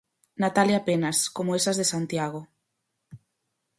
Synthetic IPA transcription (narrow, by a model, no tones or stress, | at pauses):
nat̪aljapenaskomoesazðesant̪jaɣ̞o